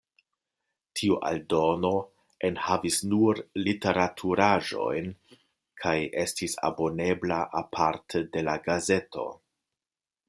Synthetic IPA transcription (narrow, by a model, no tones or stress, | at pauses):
tʰiuʔa̰ldo̞no̞ | enhavisnuɾlite̞ɾatʰuɾaʒo̞̰jn | kʰaje̞stisa̰bo̞ne̞blaʔapʰaɾtʰede̞laɡaze̞to̞̰